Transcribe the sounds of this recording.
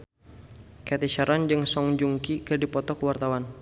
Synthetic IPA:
kat̪iʃaɾʔand͡ʒɨŋsɔŋd͡ʒuŋkikərdipɔt̪ɔkəwart̪awan

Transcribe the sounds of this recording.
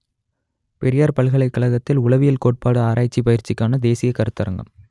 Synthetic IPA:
pɛɾɪjaːɾpɐɭɣɐɭɐɪkːɐɭɐɣɐt̪ːɪlʊɭɐʋɪjɪlkoːʈ̚paːɽɯaːɾaːjt͡ʃːipɐjɪɾt͡ʃːɪkːaːnɐd̪eːsɪjɐkɐɾɯt̪ːɐɾɐ̰ŋɡɐ̰m

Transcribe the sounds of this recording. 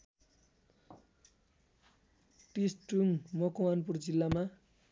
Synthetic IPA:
pisʈuŋmʌkowanpurd͡zilːama

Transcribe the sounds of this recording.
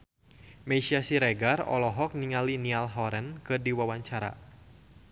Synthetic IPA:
mesiasiɾɛɡarɔ̰lɔɦɔk̚niŋalinialɦɔɾɛnkɨdiwawaɲt͡ʃaɾa̰

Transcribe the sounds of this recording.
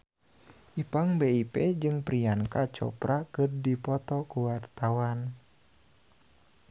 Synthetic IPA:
ʔipaŋbeipɛd͡ʒɨŋpɾiankat͡ʃɔ̰pɾakɨrdipɔt̪ɔkuwart̪awan

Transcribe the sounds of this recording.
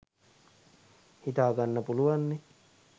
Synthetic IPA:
hit̪ɑkɑnːɑpuluɑnːi

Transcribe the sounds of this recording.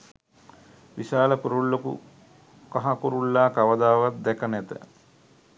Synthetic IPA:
ʋiʃaːləkuɾulːokṵ | kaɦakuɾulːaːkaʋəd̪aːʋat̪̚d̪ɛkənɛt̪ə̰

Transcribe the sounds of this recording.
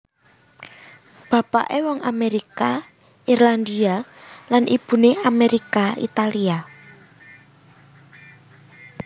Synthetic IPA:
b̥a̤pa̰ʔewɔŋameɾika | irland̪ialanʔib̥ṳneameɾikaḭt̪alia

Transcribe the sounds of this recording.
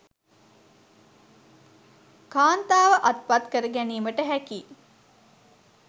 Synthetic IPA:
kaːnt̪aːʋəʔɐt̪̚pat̪kəɾəɡæniːməʈəɦækiː

